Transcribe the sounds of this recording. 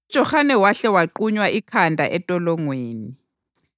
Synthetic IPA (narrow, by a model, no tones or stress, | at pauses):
ud̥ʒ̥ʱɔxanɛwaɬɛwaǃuɲwaʔikʰandʱaʔɛtʼɔlɔŋweːni